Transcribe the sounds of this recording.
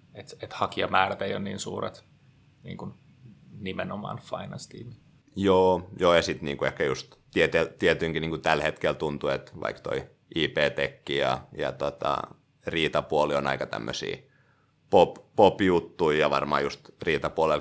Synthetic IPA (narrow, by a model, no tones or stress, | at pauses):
et̪et̪hɑkiɑmæːræt̪eijonniːnsṵːrḛt̪ | nḭːŋkun | nimenomɑ̰ːnfɑ̰inɑnst̪iːmi | joːjoːjɑsit̪niːŋkuehkæjust̪t̪iet̪elt̪iet̪yiŋkiniːŋkut̪ælhet̪kelt̪unt̪uet̪ʋɑ̰ikt̪o̰i | ʔiːpeːt̪ekːijɑ̰jɑ̰t̪ot̪ɑ̰ | riːt̪ɑpuolionɑ̰ikɑt̪æ̰mːø̰sḭː | poppopjut̪ːuijɑʋɑ̰rmɑ̰ːjust̪riːt̪ɑpuolel